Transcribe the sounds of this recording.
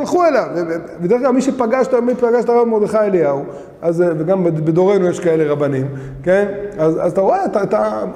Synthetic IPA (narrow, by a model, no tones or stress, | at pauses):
lχuelavevbed̪eχkɡlalmiʃepaɡaʃt̪amipaɡaʃt̪aʁavmod̪eχaeliau | azveɡambed̪o̞ʁe̞nujeʃkae̞le̞ʁabanim | kenazazat̪aʁoeat̪at̪a